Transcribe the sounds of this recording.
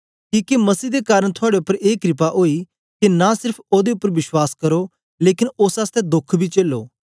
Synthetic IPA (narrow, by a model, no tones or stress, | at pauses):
kiːkemɐsiːd̪ekaːɾəɽ̃t̪ʰʊaːɽeʊpːəɾeːkɾɪp̬aʔoːi | kinãsɪɾpʰoːd̪eʊpːəɾʋɪʃwaːskɐɾo | leːkɪnoːsaːst̪ɛd̪ʊkʰbʱit͡ʃeːlːoː